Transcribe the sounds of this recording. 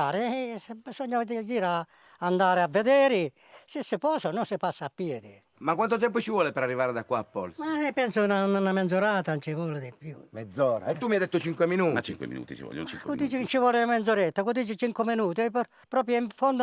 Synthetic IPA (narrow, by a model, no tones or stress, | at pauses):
aːɾɪbisɔɲːad̪id͡ʒiːɾa | and̪aːɾɪavːed̪ɛːɾɪ | sɪsːɪpɔːsanʊsɪpasːaapːjɛːd̪ɪ | makːwant̪ot̪̬ɛmp̬ʊt͡ʃivwɔːlɪpɛɾarːivaːɾɪd̪akːwaːpːɔ̰lsmaɛpːɛnsʊnaunanamɛnd̪zoɾaːt̪ant͡ʃɪvɔːlɪd̪ɪpːjṵmɛd̪zːɔːɾa̰ɛt̪ːumijajd̪ɛt̪ːʊt͡ʃiŋkweminut͡ʃḭŋkwḛmḭnṵːt̪ḭt͡ʃḭvɔ̰jːo̰t͡ʃḭkkʊd̪iːt͡ʃɪt͡ʃɪvwɔːlɪamɛnzʊɾɛt̪ːakʊd̪iːt͡ʃɪt͡ʃiŋkʊmɪnuːt̪ɪp | pɾɔːp̬ɾjoiɱfond̪